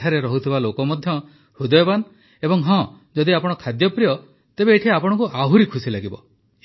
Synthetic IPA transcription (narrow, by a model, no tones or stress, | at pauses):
aɾeɾɔɦut̪ʰibalokɔmɔd̪ʱjɔ | hud̪ɔjɔban | ebɔŋɦɔ̃ | d͡ʒɔd̪iapɔɽ̃ɔkʰad̪jɔpɾijɔ | t̪ebeːʈʰiapɔɽ̃ɔ̃ŋkuʔaɦuɾikʰusilaɡibɔ